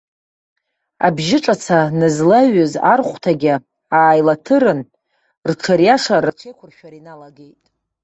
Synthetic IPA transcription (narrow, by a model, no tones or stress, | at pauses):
a̰bʒɪʈ͡ʂʼat͡sʰanɨzlaɥɨzarχʷtʰaɡʲɪ | aːjlatʰɨɾɨn | rʈ͡ʂʰaɾjaʂaraʈ͡ʂʷʰejkʷʰʊrʃᶣaɾinalaɡejtʼ